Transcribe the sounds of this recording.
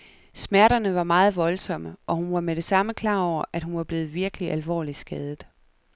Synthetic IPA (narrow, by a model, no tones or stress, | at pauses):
smæɐɾɐnəʋɑ̈mɑ̈ːð̞̩ˠʋɒ̽lsɒ̽məʔɒ̽hunʋɑ̈meɾ̥e̝sɑ̈məkʰlɑ̰̈ːɒʊ̰ɐʔæd̥hunʋɑ̈b̥le̝ːð̞̩ˠʋiɐɡ̥əliʔælʋɒ̰ːli̥sɡ̥ɛːð̞ˠð̩ˠ